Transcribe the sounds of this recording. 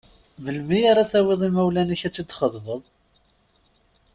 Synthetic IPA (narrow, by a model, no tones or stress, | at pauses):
vəlmiaɾaθæwɪðˤimæwlæniçæt͡sːid̪χəðˤvəðˤ